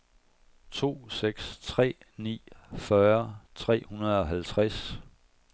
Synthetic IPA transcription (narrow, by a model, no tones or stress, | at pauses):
t͡sʰo̝̰ːseɡ̥st͡sʰʁɛ̰ː | nḭːfɶɐt͡sʰʁɛ̰ːhunɐð̞ˠɒ̽ɦælt͡sʰʁas